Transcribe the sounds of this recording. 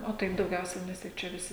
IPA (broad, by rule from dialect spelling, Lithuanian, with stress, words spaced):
oː ˈtɐɪp dɐʊˈɡʲɛʊsʲɛɪ ˈnʲɛs tʲɪk ˈt͡ʃʲɛ ʋʲɪˈsʲɪ